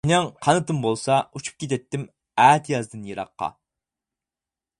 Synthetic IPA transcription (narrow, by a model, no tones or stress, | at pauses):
inɛŋqʰɑnɨt̪ɨmbolˠsɑut͡ʃʰu̥p̚kʲet̪ɛt̪ːɪm | æːt̪ʰijɑzd̪ɨnjeɾɑ̰qːɑ̰